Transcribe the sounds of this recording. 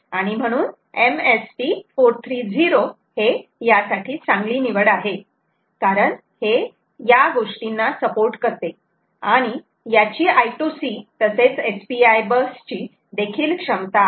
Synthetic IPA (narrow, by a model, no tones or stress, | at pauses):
aɽ̃im̤əɽ̃uːn | emespifoɾt̪ʰɾiːd͡ziɾo | hejasaʈʰiːt͡sãŋɡliːniʋəɽaɦe | kaɾəɳ | he | jaɡoʂʈinːasəpoɾʈkəɾt̪e | aɽ̃i | jat͡ɕiːʔajʈusit̪əset͡sespiajbəst͡ɕiː | d̪ekʰiːlkʂəmt̪a